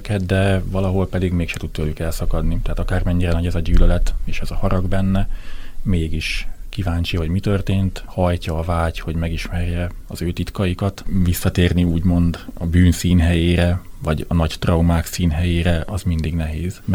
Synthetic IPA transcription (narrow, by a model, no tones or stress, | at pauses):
kɛd̪d̪ɛvɒlɒɦo̞lpɛd̪iɡmeːkʃɛt̪ud̪t̪̚t̪øːlykɛlsɒkɒd̪nit̪ɛɦːt̪ɒkaːrmɛɲːiɾɛnɒɟɛzɒɟyːlølɛt̪eːʃɛzɒhɒɾɒɡbɛnːɛmeːɡiʃkivaːɲt͡ʃiɦɒɟmit̪ørt̪eːnt̪hɒjcɒːvaːcho̞ɟmɛɡiʃmɛrjɛ | ɒzøːt̪it̪kɒjikɒt̪visːɒt̪eːrniuːɟmo̞nd̪ɒbyːnsiːnɦɛjeːɾɛvɒɟɒnɒɟt̪rɒumaːksiːnɦɛjeːɾɛʔɒzmind̪iɡnɛɦeːz̥